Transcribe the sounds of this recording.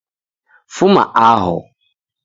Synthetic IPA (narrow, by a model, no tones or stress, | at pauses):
fʊmã̰ʔaɦɔ̰